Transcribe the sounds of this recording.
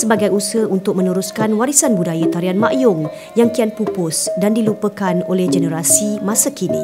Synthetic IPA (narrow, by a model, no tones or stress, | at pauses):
səbaɡajusəunt̪ʊk̚mə̃nũɾuskanwaɾisanbudajat̪aɾianmã̰ʔjʊŋ | jaŋkianpupʊsdandilupəkanolɛhd͡ʒənəɾasimãsakinḭ